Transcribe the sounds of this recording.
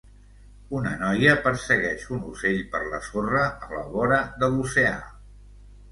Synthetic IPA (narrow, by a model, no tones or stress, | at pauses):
unə̰nɔjəpəɾsəɣɛʃunuseʎpəɾlə̰sorəːlə̰βɔɾəðəlusea̰